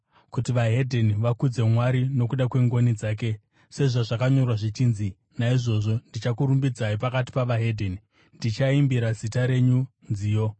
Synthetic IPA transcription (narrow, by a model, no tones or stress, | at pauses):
kutiʋaɦe̞dʱeniʋakud͡ze̞mwaɾino̞kuɗakwe̞ŋɡo̞nid͡zaːk̬e̞ | se̞ʐoʐakaɲo̞rwaʐit͡ʃiːnzi | naiʐo̞ʐo̞ndit͡ʃakuɾumbid͡zaip̬akati̥paʋaɦe̞dʱeni | ndit͡ʃaimbiɾazitaɾe̞ɲu | nd͡ziːjo̞